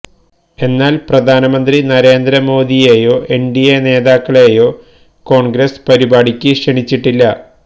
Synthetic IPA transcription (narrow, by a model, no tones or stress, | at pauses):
e̞nːaːlprɐd̪ʱaːnɐmɐnd̪rinɐɾe̞ːnd̪ɾɐmo̞ːd̪ijeːjo̞ːʔe̞ɳɖijene̞ːðaːkːɐɭeːjo̞ː | ko̞ːɳɡɾɐspɐɾibaːɽikʲːɨʂɐɳit͡ɕːiʈːilːɐ